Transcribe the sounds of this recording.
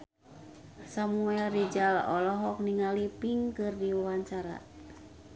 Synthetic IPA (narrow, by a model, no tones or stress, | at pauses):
samuɛlɾid͡ʒalɔlɔɦɔk̚niŋalipiŋkɨrdiwawaɲt͡ʃaɾa̰